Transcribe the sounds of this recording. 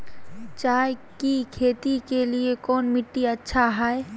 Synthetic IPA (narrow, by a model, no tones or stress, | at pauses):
t͡ʃaːekikʰeːt̪ikeliekɔːnmɪʈːiɐtːʃʰaɦɛe